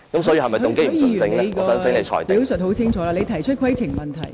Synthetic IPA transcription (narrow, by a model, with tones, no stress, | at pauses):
kɐ˨˥msɔː˨˥ji˧hɐ˨˩m˨ʊ˨ŋke˥jy˨˥˨i˨˧˨nː˨t͡sɪ˧˥ŋlɛ˨˥jkːsœː˨˥ŋsɪ˨˥ŋle˨˧jt͡ʃʰɔ̰ː˨˩t̪i˨˥wsɵ˨t̚ɦo˨˥wt͡sʰɪ˥ŋt͡ʃʰɔː˨˥laː˧le˨˧jt̪ʰɐ˨˩jt͡ʃʰɵ˥t̚kʰwɐ˥jt͡sʰɪ˨˩ŋmɐ˨nt̪ʰɐ̰˨˩j